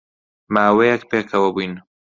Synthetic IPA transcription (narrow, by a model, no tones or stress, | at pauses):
maːwejɛkpeːkʰɐwɐbujn